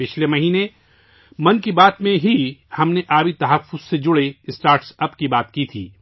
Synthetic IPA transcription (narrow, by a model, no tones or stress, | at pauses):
pɪt͡ʃʰlemɐɦiːnẽ | mɐnkibaːt̪mẽɦihɐmneʔaːbit̪ɐɦəfːʊz̥sed͡ʒʊɽeɪsʈaːɾʈsɐbkibaːt̪kit̪ʰḭː